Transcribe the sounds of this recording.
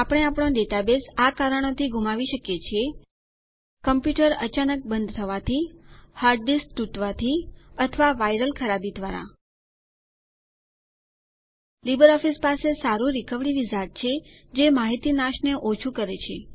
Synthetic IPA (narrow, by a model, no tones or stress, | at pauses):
apəɽ̃eapəɽ̃õɖeʈabesakaɾəɳ̃ot̪ʰiɡʱumaʋiʃəkjet͡ʃʰie | kəmpjuʈəɾə̰t͡ʃanək̚bənd̪ʱt̪ʰəʋat̪ʰihaɾɖɖisʈʈuʈʋat̪ʰiət̪ʰəʋaʋaiɾəlkʰəɾabid̪ʋaɾa̰ | libəɾɔfispasesaɾũɾikəʋɽiʋid͡ʒaʈ̚t͡ʃʰed͡ʒemaɦit̪inaʃneʔot͡ʃʰukəɾet͡ʃʰe